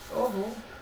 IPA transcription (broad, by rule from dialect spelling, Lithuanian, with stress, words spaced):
oːˈɣoː